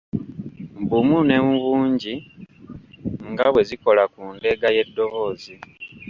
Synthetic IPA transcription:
mbumune̞muβuːɲɟi | ŋɡaβwe̞ziko̞lakuːnde̞ɡaje̞dːo̞βo̞ːzi

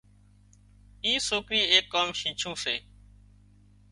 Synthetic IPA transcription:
iːsoːkɾiːeːkːaːmʃĩːt͡ʃʰũːsḛː

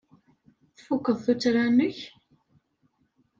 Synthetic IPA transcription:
θfukːəðˤθut͡sːɾanʊç

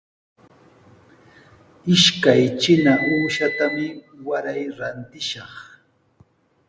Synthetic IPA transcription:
ɪʃkajt͡ʃɪnaʔuːʃat̪amɪwaɾajɾant̪ɪʃɑχ

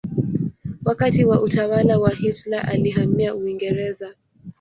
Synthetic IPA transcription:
wakatiwaʔutawalawahiflaʔaliɦamiauiŋɡɛɾɛza

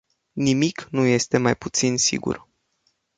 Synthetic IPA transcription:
nimiknuje̞st̪e̞majput̪sinsḭɡṵr

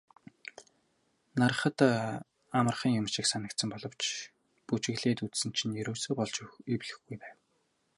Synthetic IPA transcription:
nar̆χə̆t̪ | amə̆rχĭŋjʊmʃĭksanə̆k̚t̪sə̆mpɔɮɞ̆w̥t͡ɕ | put͡ɕɘ̆ɣɮeːt̪ut͡ssɘ̆n̥t͡ɕʰĭnjiɾoːsɵ̆pɔɮt͡ɕiwɮɘ̆xɡujpæːw

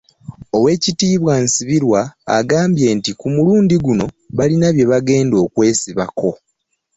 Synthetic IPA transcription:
o̞we̞ːcitiːβwaːnsiβiɾwa̰ːɡaːmbje̞ːntikumuluːndiɡuno̞ | βalinaβje̞βaɡe̞ːndo̞ːkwe̞ːsiβa̰ko̞

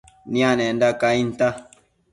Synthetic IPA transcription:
nĩanɛ̃ndakainta

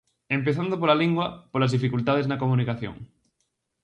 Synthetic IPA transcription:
empeθand̪op̬olaliŋɡwɐpoɾlazðifikult̪að̞eznɐkomũnikaθjo̰ŋ

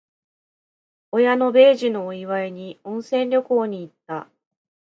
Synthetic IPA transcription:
o̞jano̞be̞ːʑino̞ːiβae̞ɲ̟iõ̞ɰ̃sẽ̞nɾʲo̞ko̞ːɲ̟iːt̪ːa

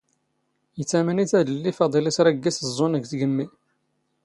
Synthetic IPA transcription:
jət͡sːæmæniθæðəlːifɑd̪ˤilisɾˤæɡːisəzˤːonəɡθɡəmːi

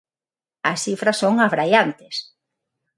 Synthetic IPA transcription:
ɐsθifɾɐsoŋaβɾajant̪ɪs

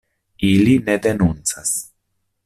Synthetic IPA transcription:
iline̞d̪e̞nunt͡sas

